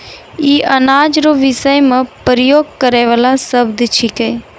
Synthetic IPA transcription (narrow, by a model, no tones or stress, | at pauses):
iːʔənaːd͡ʒɾoʋɪsəjmə̃pəɾəjoːɡ̚kəɾeːʋəlãsəbd̪t͡ʃʰɪkeː